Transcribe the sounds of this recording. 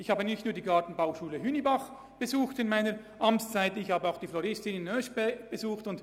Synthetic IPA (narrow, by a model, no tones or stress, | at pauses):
ɪçhaːbənɪçtnuːɐdiːɡatn̩baʊʃuːləɦynibaχ | b̥əzuːxtɪnmaɪnəɾ | ʔɑmt͡st͡saɪtɪçhaːbəaʊxd̥iːflɔɾɪstɪnɪnːœʃbb̥əzuːxtʊnt